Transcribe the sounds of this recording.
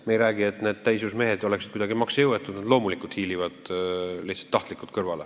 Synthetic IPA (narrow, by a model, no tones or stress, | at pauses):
meejɾæːɡ̥ie̞t̪ːne̞ːd̪̥̚t̪æjsusme̞ɦed̪o̞le̞ksid̪kud̪ɑɡ̥imɑksjɤwet̪ːˑud̪nd̪lo̞ːmulikˑult̪hiːlivɑd̪̥liçt̪sɑ̥t̪ːɑht̪likˑult̪kɤrvɑle